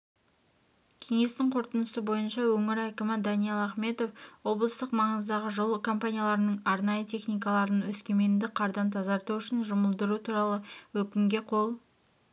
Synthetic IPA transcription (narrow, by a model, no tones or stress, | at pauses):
kʲʰe̞ŋe̞st̪ɪŋqʰo̞ɾt̪ənəsəbo̞jənʃɑwɵŋɪɾækʲɪmɪd̪ɑnijelˠɑχme̞t̪o̞fwo̞blˠəst̪əqmɑɴəzd̪ɑʁəʒo̞lˠəkʰo̞mpanʲijalˠɑɾənəɴɑɾnɑjət̪ʰe̞χnijkɑlˠɑɾənwɵskʲe̞me̞nd̪ɪqʰɑɾd̪ɑnt̪ʰɑzɑɾt̪uʏʃɪnʒʊməlˠd̪əɾut̪ʰuɾɑlˠəwɵkʲɪŋɡʲe̞qʰo̞lˠ